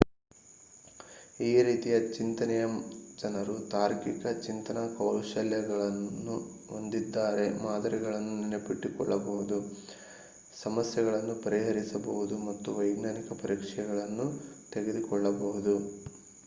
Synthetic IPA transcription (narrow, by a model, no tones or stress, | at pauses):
iːɾiːt̪ijɐt͡ʃint̪ɐnɛjɐd͡ʒɐnɐɾut̪aːɾkikɐt͡ʃint̪ɐnɐkɐwʃɐljɐɡɐɭɐnːu | ond̪id̪ːaːɾe̞maːd̪ɐɾiɡɐɭɐnːuninepiʈːikɔ̰ɭːɐbɐɦud̪u | sɐmɐsjɐɣɐɭɐnːupɐɾiɦɐɾisɐbɐʋud̪umɐt̪ːuʋɐjɡnaːnikɐpɐɾiːkʂɛjɐɡɐɭɐnːut̪eɡe̞d̪ukɔɭːɐbɐɦud̪u